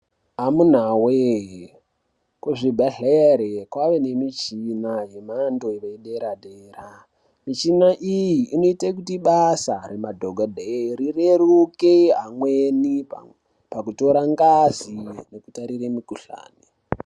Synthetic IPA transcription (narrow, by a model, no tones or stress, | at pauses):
amun̤awe | kweʐibʱaɮeɾekwaʋene̞mit͡ʃinaje̞mandoʋeiɗeɾaɗeːra | mit͡ʃinaʔijiːno̞itek̬utiɓasaɾemadʱoɡʱadʱeɾireɾukeɦamweni | pakuto̞ɾaŋɡazinokutaɾiremikuɬa̰ːni